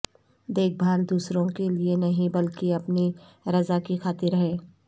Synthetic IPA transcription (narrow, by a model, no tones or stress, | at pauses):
d̪eːk̚bʱaːld̪uːsɾõkelienɐɦĩbɐlkiɐpni | ɾɐzakixaːt̪ɪɾɦɛː